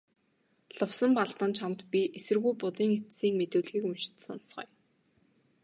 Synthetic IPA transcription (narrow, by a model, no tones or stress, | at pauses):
ɮʊwsə̆mpaɮt̪ə̆nt͡ɕʰamt̪pʲiʔesɘ̆rɣujpʊt̪iːŋet̪siːkmet̪ɘ̆wɮɣiːkɵmʃɪ̥̆t̪sɔ̰nsχœ̰ːj